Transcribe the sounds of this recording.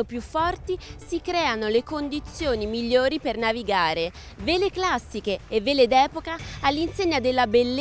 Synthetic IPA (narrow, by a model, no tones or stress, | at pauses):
opjufːɔrt̪isikɾɛːanolekond̪it̪sːjoːnimiʎːoːɾipernaviɡaːɾe | veːleklasːikeːvːeːled̪ɛːpokaːlːinseɲːad̪elːabelː